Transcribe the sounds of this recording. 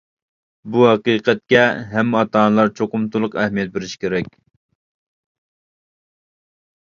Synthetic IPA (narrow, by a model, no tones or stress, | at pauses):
buɦɑqiqɛt̪̚kʲɛɦɛmːɑt̪ɑːnlˠɑɾt͡ʃʰoqʊmt̪ulˠʊqɛhmijɛt̪̚beɾɪʃkʲʰeɾɛkʲ